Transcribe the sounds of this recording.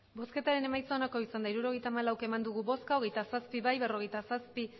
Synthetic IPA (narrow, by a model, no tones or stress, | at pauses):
bo̞ske̞t̪aɾe̞ne̞majt͡saonako̞isand̪aiɾuɾo̞ɣ̞ejt̪aːmalawke̞mand̪uɣuβo̞skaoɣe̞jt̪asaspiβajβe̞ro̞ɣ̞e̞jt̪asaspi